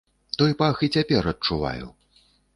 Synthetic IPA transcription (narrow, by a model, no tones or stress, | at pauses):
t̪ɔjpaxit͡sʲapʲɛɾɐt̚t͡ʂuva̰jṵ